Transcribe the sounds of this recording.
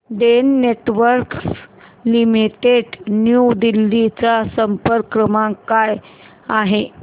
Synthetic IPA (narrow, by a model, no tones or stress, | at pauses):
ɖenːeʈʋəɾks | limiʈeɖnjud̪ilːit͡sasəmpəɾkɾəmãkːaj | aɦe